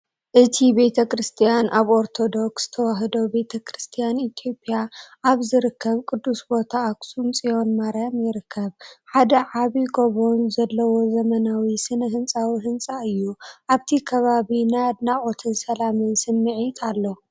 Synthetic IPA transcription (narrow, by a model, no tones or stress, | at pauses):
ʔɨt̪ʰibe̞t̪ʰɐkʰɾɨst̪ʰijanʔaβo̞ɾt̪ʰo̞d̪o̞ksz̥ɨ̥t̪ʰɐwaɦɨd̪o̞be̞t̪ʰɐkʰɾɨst̪ʰijanit̪ʰjo̞pʼːijaʔaβzɨɾɨkʰːɐβkʼɨd̪ːusbo̞t̪ʰaːkʼsʼumt͡sʼijo̞nmaɾjamjɪɾɨkʰːɐβħad̪ɐʕaβiɡoβo̞nzɐlːɐwo̞zɐmɐnawisɨnɨɦɨnt͡sʼawiɦɨnt͡sʼaɨjːuʔaβt̪ʰikʰɐβaβinajd̪naχʼot̪ʰɨnsɐlamɨnsɨnːɨʕit̪ʼalːo̞